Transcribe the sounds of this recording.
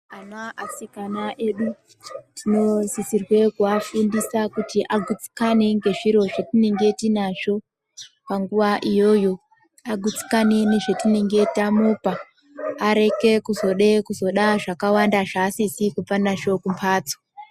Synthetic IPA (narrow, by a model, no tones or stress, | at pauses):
anwaʔasikanaʔe̞ɗu | tʰino̞zisirwe̞kuafindisakutiʔaɡʱut͡si̥kaneŋɡe̞ʐiɾo̞ʐetineŋɡe̞tinaʐo̞ | paŋɡuʋaʔijo̞jo̞ | aɡʱut͡si̥kaneniʐetineŋɡe̞tamupaː | ɾe̞ke̞kuzo̞ɗekuzo̞ɗaʐakawandaʐaːsisikupanaʃo̞kumpʰaːt͡so̥